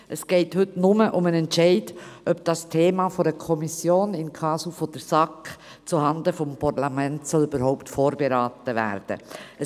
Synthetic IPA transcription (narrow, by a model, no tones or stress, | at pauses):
ʔəsɡ̥ɛɪthʏtnʊməʔʊmənɛntt͡ʃɛɪdʔœp̚d̥ɑstʰeːmɑːfɔɾəkʰɔmisjoːnɪnkʰɑːsufɔd̥əɾsɑk | t͡suhɑndəfɔmpʰaɾlamɛntsɔlybəɾɦɔʊptfoːɾbeɾɑːtəʋæ̰ːɾd̥ə̰ə